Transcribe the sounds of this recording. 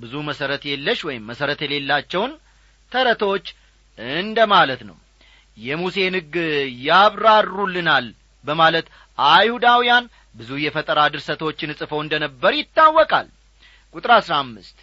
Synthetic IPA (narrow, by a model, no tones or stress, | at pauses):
bɨzuməsəɾət̪jelːəʃwɔjɪmːəsəɾət̪jɛle̞lːat͡ʃːɛwn | t̪ʰəɾət̪ʰo̞t͡ʃː | ɨnd̪əmalət̪nə̰w | jɛmuse̞nɨɡjaβɾad̪ɾulːɨnal | bəmalət̪ | ʔajhud̪awijan | bɨzujɛfət̪ʼəɾad̪ɨɾsət̪ʰot͡ʃːɪnɨsʼɨfəwɨnd̪ənəbːəɾjɪt̪ːawːɔkʼa̰l | kʼut̪ʼɾaasɾamːɨst̪